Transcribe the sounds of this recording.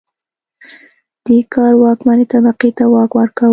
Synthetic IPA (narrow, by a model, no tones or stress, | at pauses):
d̪̥əkɑɾwɑkmanet̪abaqet̪awɑkwaɾka